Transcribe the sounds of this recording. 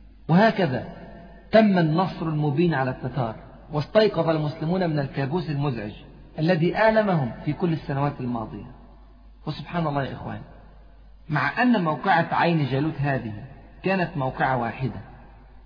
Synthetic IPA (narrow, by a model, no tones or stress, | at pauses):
wɪhaːkaða̰ː | t̪amːanːɑsˤɾalmʊbiːnʕalat̪ːakɑ̰ːɾˤ | wɪst̪ɑjqɑðˤɑlmʊslɪmuːnamɪnalkaːbuːsalmʊzʕɪ̰d͡ʒ | ʔalːaðiːʔaʕlamahʊmfiːkʊlːɪsːanawaːt̪almɑ̰ːd̪ˤɨja̰ | wɪsʊbħaːnɑlˤːɑːʔɪxwa̰ːni | maʕʔanːmawqɪʕaʕajnd͡ʒaluːt̪ɦaːðɪhɪ | kaːnat̪mawqɪʕawaːħɪd̪a